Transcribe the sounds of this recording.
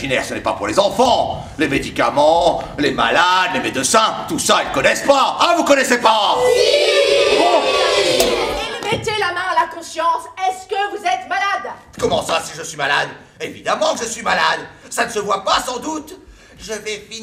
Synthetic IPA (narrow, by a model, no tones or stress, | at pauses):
ʒinɛʁsənɛpa̰puʁlezɑ̃fɑ̃ | lemed̪ika̰mɑ̃lema̰lad̪lemed̪əsɛ̃t̪usailkɔnɛspaːvukɔnɛsepa | mɛt̪elamɛ̃alakɔ̃sjɑ̃sɛskəvuzɛt̪malad̪ | kɔmɑ̃sasiʒəsɥimala̰d̪ | evid̪amɑ̃ʒəsɥimalad̪sanəsəvwapasɑ̃d̪ut̪ | ʒəvɛfi